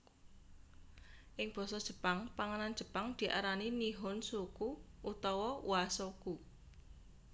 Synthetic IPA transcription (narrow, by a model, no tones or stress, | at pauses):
ʔɪŋb̥ɔ̤sɔd̥ʒ̥ə̤paŋpaŋanand̥ʒ̥ə̤paŋd̪̥i̤ʔa̰ɾaniniɦʊnsukuʔut̪ɔwɔwasoku